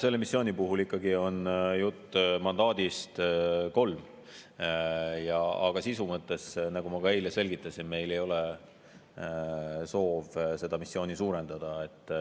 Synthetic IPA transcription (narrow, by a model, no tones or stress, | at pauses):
se̞lːe̞misːjo̞ːnipuɦulikːɑɡio̞njut̪ːmɑnd̪ɑːd̪̥ist̪ko̞lm | jɑɑ̰ɡ̥ɑsisumɤt̪ːˑe̞snɑɡ̥umɑɡɑe̞jlese̞lɡit̪ːˑɑsinme̞jle̞jo̞le | so̞ːvse̞d̪̥ɑmisːjo̞ːnisuːɾe̞nd̪̥ɑd̪̥ɑe̞t̪ˑː